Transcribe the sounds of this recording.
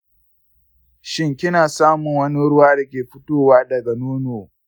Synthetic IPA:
ʃɪ˦ŋkʲɪ˦naː˨saː˦mʊ˨ŋwɐ˦ni˦ɽʊ˦waː˦dɐ˨kʲeː˨ɸʊ˦toː˦waː˦dɐ˨ɡa˨noː˦noː˨

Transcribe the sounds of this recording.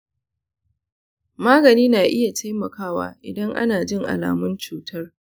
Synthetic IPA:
maː˦ɡɐ˨niː˦naː˨ʔɪ˦ja˨tʰa˦jmɐ˨kaː˦wa̰ː˦ʔɪ̰˨dɐ˦ŋʔa̰˦naː˨d͡ʒɪ˦ŋʔa̰˨la̰ː˨mʊ˦nt͡ʃuː˨tʰɐ˦r

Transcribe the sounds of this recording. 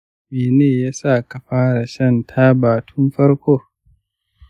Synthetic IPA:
meː˨neː˦˨jaː˦sa˦˨ka˨ɸaː˦ɾa˨ʃɐ˦˨ntʰa˦baː˨tʰʊ˦mɸɐ˦ɽkʷoː˦

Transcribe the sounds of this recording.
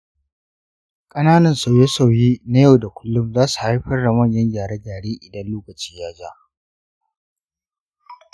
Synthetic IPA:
kʼɐ˦naː˦nɐ˨nsa˨je˦sa˨wji˦na˦jɐ˦˨wda˨kʷʊ˦lːʊ˦mzaː˦su̥˨ha˦jɸɐ˦rda˨mɐ˦˨ɲjɐ˦ɲjaː˨ɽɛ˦ɡaː˨ɽeː˦ʔɪ˨dɐ˦nloː˦kɐ˨t͡ʃiː˦jaː˦d͡ʒaː˦

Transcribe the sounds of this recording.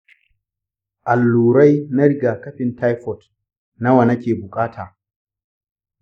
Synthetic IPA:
ʔa˨lːuː˨ɾa˦jna˦ɽɪ˨ɡaː˨kɐ˦ɸɪ˨nta˦jɸɔ˨t | na˦wa˨na˦kʲeː˨bʊ˨kʼaː˦tʰaː˨

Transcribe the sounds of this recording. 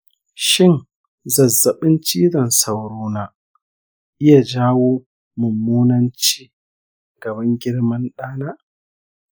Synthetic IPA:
ʃɪ˦n | zɐ˨zːɐ˨ɓɪ˦nt͡ʃiː˦dɐ˨nsa˨wɽoː˦naː˦ | ʔɪ˦ja˨d͡ʒaː˦woː˦ | mʊ˨mːuː˦nɐ˦nt͡ʃiː˦ | ɡ̥ɐ˨bɐ˦ŋɡʲɪ˦ɽmɐ˦nɗaː˦na˦ʔ

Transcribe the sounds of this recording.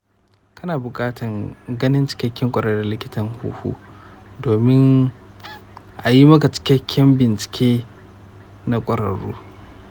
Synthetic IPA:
kɐ˦naː˨bʊ˨kʼaː˦tʰɐ˨ŋɡɐ˦nɪ˦nt͡ʃɪ̥˦kʲɐ˦kʲːɪ˦ŋkʷʼɐ˨ɾɐ˦da˨lɪ˦kʲɪ˦tɐ˨ŋhṵː˦hṵː˦doː˨mɪ˦ŋ | ʔa˨ji˦mɐ˦ka˨t͡ʃɪ̥˦kʲɐ˦kʲʰːɪ˦mbɪ˨nt͡ʃɪ̥˨kʲeː˦ | na˦kʷʼɐ˨ɾɐ̰˨ɽṵː˦

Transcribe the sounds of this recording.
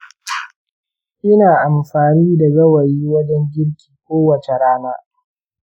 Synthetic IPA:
ʔɪ˦naː˨ʔa˨mɸaː˨niː˦da˨ɡɐ˦wɐ˨jiː˦wɐ˦d͡ʒɛ˦ŋɡʲɪ˦ɽkʲi̥ː˨kʷoː˦wɐ˨t͡ʃe˨ɾaː˦maː˦

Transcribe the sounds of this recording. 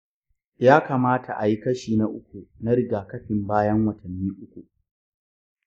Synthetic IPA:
jaː˦kaː˨maː˦tʰa˨ʔa˨ji˦kɐ˦ʃiː˨na˦ʔʊ˦kʷu˨na˦ɾɪ˨ɡaː˨kɐ˦ɸɪ˨mbaː˦jɐ˦ŋwɐ˨tʰɐ˨nːiː˦ʔʊ˦kʷu˨

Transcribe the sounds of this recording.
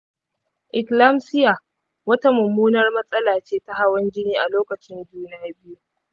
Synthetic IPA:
ʔɪ˨kla˦msɪ˦ja˨ | wɐ˦ta˦mʊ˨mːuː˦nɐ˦rmɐ˦sʼɐ˦laː˨t͡ʃeː˦ta˦ɦa˦wɐ˦nd͡ʒɪ˦niː˦ʔa˨loː˦kɐ˨t͡ʃɪ˦nd͡ʒuː˦na˦a˦bɪ˦ju˦

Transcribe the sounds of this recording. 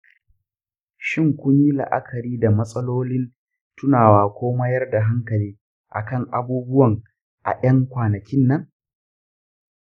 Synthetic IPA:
ʃɪ˦˨ŋkʷʊ˦ɲji˦lɐ̰˨ʔa̰˦kʰɐ˨ɾiː˦da˨mɐ˦sʼɐ˦loː˦lɪ˦n | tʊ˦naː˨waː˨kʷoː˦ma˦jɐ˦rda˨ɦa˦ŋkɐ˨liː˦ | ʔa̰˨kɐ˦˨ŋʔa˨buː˦bʊ˦wɐ˨ŋ | ʔa̰˨ʔɐ˦ŋkʷaː˨nɐ˨kʲɪ˦nːɐ˦ŋ

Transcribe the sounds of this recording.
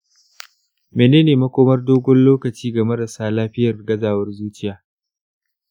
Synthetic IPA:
meː˨neː˦neː˨mɐ˦kʷoː˦mɐ˦rdoː˦ɡʷɔ˦nloː˦kɐ˨t͡ʃiː˦ɡɐ˨mɐ˦dɐ˨saː˦laː˦ɸɪ˦jɐ˨rɡɐ˦zaː˨wɐ˦rzuː˦t͡ʃɪ˦jaː˨

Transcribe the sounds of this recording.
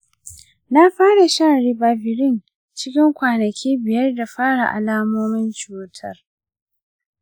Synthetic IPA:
na˦ɸaː˦ɽa˨ʃɐ˦nɽɪ˦ba˨bɪ˨ɾɪ˦n | t͡ʃɪ˦kʲɪ˦ŋkʷaː˨nɐ˨kʲʰiː˦bɪ˨jɐ˦rda˨ɸaː˦ɽa˨ʔa̰˨laː˦moː˦mɪ˦nt͡ʃuː˦tʰɐ˦˨r

